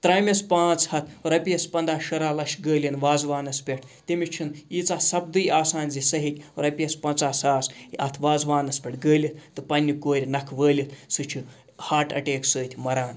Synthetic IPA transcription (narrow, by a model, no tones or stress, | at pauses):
t̪ɾaːmʲɐspãːt͡shɐt̪ʰɾɐpʲijɐspɐnd̪aːʃɐɾaːlɐʃɡəːlʲinʋaːzʋaːnɐspʲeʈʰt̪emʲit͡ʃʰiniːt͡saːsɐb̚d̪ɨjaːsaːnʲzisɐɦikʲɾɐpʲiɐspɐnt͡saːsaːsɐt̪ʰʋaːzʋaːnɐspʲeʈʰɡəːlʲit̪ʰt̪ɨpɐnʲːikoːɾʲinɐkʰʋəːlʲit̪ʰsɨt͡ʃʰi | haːʈɐ̰ʈeːksəːt̪ʰʲmɐɾaːn